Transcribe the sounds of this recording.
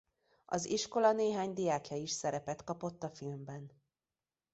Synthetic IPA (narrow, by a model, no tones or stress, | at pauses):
ɒ̰ziʃko̞lɒneːɦaːɲd̪ijaːkjɛjiʃsɛɾɛpɛt̪kɒpo̞t̪ːɒfilmbɛn